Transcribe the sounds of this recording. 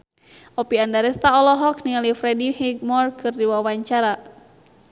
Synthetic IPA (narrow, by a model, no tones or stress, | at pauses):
ɔpiandaɾɛst̪aɔlɔɦɔkniŋalifɾɛdihiɡ̚mɔrkʰɨrdiwawaɲt͡ʃaɾa